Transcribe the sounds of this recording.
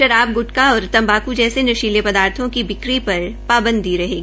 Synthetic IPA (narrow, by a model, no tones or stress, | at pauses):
ʃɐɾaːb̚ɡʊʈkaɔːɾt̪ɐ̃mbaːkud͡ʒɛːsenɐʃiːlepɐd̪aːɾt̪ʰõkibɪkɾipɐɾpaːbə̃nd̪iɾɐɦeːɡiː